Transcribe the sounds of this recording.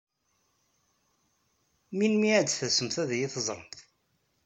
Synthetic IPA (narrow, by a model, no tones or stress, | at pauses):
minmiæd̪θæsəmθæðjɪθəzˤɾˤə̰mθ